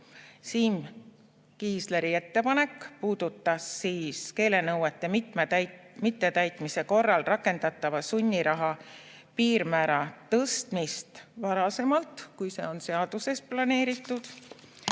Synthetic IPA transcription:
siːm | kiːsle̞ɾie̞t̪ːe̞pɑne̞kːˑpuːd̪̥ut̪ːˑɑsːiːske̞ːle̞nɤwet̪ːˑe̞mmmit̪ːe̞t̪æjt̪ˑmise̞ko̞rːɑlrɑkːˑe̞nd̪̥ɑt̪ˑːɑvɑsunʲːiɾɑɦɑ | piːɾmæːɾɑt̪ɤst̪mist̪vɑɾɑse̞mɑlt̪kujse̞̰o̞nse̞ɑd̪̥use̞splɑne̞ːɾit̪ːˑud̪̥

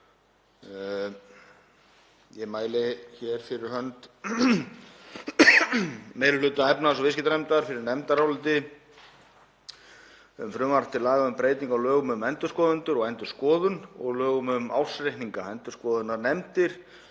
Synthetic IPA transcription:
jɛmaːjlɪçɛɾ̥fɪɾɪɾ̥hœnt̪ | meːɾʏlʏːt̪aɛpnasɔvɪskɪt̪anɛmt̪aɾfɪɾɪɾnɛmt̪aɾawlʏt̪ɪ | ʏmfɾʏːmaɾt̪ʰɪlaːɣaʏmpɾeːjt̪iŋkawlœːɣʏmʏmɛnt̪ʏskɔːðʏnt̪ʏɾɔɣajnt̪ʏ̥skɔːðʏnɔ̰ɣlœːɣʏmʏma̰wsɾejhniŋkaɛnt̪ʏskɔːðʏnaɾnɛmt̪ɪɾ̥

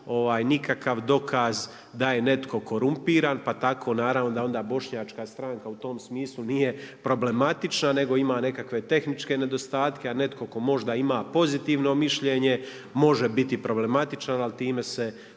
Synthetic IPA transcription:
o̞ʋaːjnikakaʋd̪o̞kʰaz | d̪aje̞ne̞t̪kʰo̞ko̞ɾumpiːɾaːnpat̪akʰo̞ːnaːɾavʋno̞d̪ao̞nd̪aːbo̞ʃɲaːt͡ʃkaːst̪ɾaŋkaut̪o̞ːmsmiːslˠuniːje̞pɾo̞ble̞mat̪it͡ʃnane̞ɡo̞imaːne̞kakʋe̞t̪e̞xnit͡ʃke̞ne̞d̪o̞st̪aːt̪ke̞ane̞t̪ko̞ko̞mo̞ʒd̪aimaːpo̞zit̪iːʋno̞miʃʎe̞ːɲe̞ | mo̞ʒebit̪ipɾo̞ble̞mat̪it͡ʃanalt̪iːmese

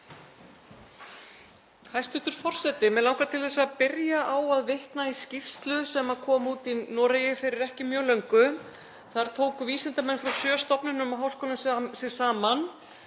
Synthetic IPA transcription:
hajst̪ʏht̪ʏɾ̥fɔr̥sɛt̪ɪmɛðlawŋkat̪ʰɪlθɛsːaðpɪɾjaʔawaðvɪht̪naiscɪft̪lʏsɛmaðkʰɔːmuːt̪inɔːɾajɛfɪɾɪɾɛhcɪmjœːlœɥŋkʏ | θaɾ̥t̪ʰoːwkviːsɪnt̪amɛnːfɾawsjœːst̪ɔpnɪnʏmaɦaːwskɔːlʏmssɪ̥saːman

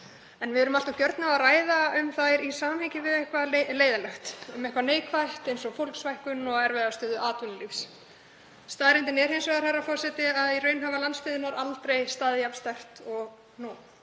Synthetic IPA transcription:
ɛnvɪðɛɾʏmalt̪awcœɾt̪naaraːjðaʏmθajɾisaːmamhɛɲcɪvɪðɛhkvaleːjðalœht̪ʏmɛhkvaneːjkʰvajht̪ejnsɔɣfowlksvajhkʏnɔɣɛɾvɛðast̪œːðʏʔaːt̪vʏnlifs | st̪aːðɾɪnt̪ɪnɛɾhejnsvɛɣaɾ̥haɾafɔr̥sɛt̪ɪaðirœɥnɦavalanst̪ɪðɪnaɾalt̪ɾejst̪aːðjapst̪ɛr̥t̪ɔɣ | nɔːn

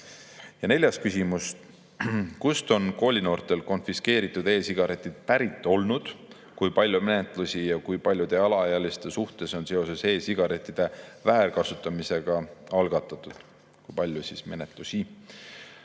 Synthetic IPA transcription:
jɑne̞lʲjɑst̪kysimust̪ | kust̪o̞nko̞ːlʲino̞ːrt̪ˑe̞lko̞nfiske̞ːɾit̪ːˑud̪e̞ːsiɡ̥ɑɾe̞t̪ʲːˑid̪̥̚pæɾit̪ːˑo̞lnud̪̥ | kujpɑlʲjume̞ne̞t̪ˑlusijɑkujpɑlʲjud̪̥e̞ɑlɑɑjɑlist̪e̞suht̪e̞so̞nse̞o̞se̞se̞ːsiɡ̥ɑɾe̞t̪ʲːˑid̪̥e̞væːrkɑsut̪ːˑɑmise̞ɡ̥ɑɑlɡ̥ɑt̪ːˑɑt̪ːˑud̪̥ | kujpɑlʲjusisme̞̰ne̞t̪ˑlusʲi

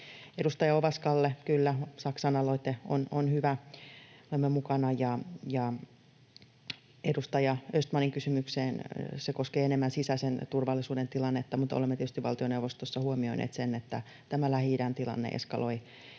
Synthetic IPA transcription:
edust̪ɑjɑoʋɑskɑlːekylːæsɑksɑnɑloit̪eo̰nonhyʋæ | olemːemukɑnɑjɑjɑ | edust̪ɑjɑøst̪mɑniŋkysymykseːnsekoskeːenemːænsisæsent̪urʋɑlːˑisuːdent̪ilɑnːet̪ːɑmut̪o̰lemːet̪iet̪yst̪iʋɑlt̪ioneuʋost̪osːɑhuomioinʔḛːt̪senːet̪ːæ | t̪æmælæhidænt̪ilɑ̰nːḛʔḛskɑ̰loi

